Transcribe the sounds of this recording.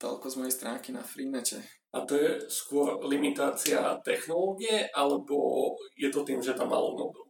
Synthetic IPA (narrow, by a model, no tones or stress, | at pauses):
t̪ɔ̰lkɔzmɔjɛst̪ɾaːŋkina̰fɾiːnɛcɛ̰ | ʔat̪ɔjɛskʊɔɾlimit̪aːt͡sia̰t̪ɛxnɔlɔːɡiɛʔalɛbɔ̰jɛt̪ɔt̪iːmʒɛt̪amːa̰lṵnɔ̰d̪u